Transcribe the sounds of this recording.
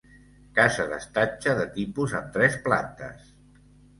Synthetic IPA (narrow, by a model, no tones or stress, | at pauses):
kazəðə̰st̪at͡ʃəðət̪ipuzəmt̪ɾɛspla̰nt̪ə̰s